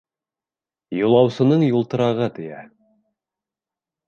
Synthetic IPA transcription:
julˠɑwsɤ̆nɤɴjulˠt̪ɤ̆ɾɑʁɤt̪ɘ̆jæ̰

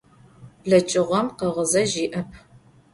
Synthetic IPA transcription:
ɮɐt͡ʃʼɪʁʷɔmqɐʁəzɐʒiːʔɐpʰ

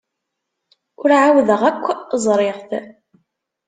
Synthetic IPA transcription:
ʊɾʕawðəʁækʷːzˤɾˤeʁθ

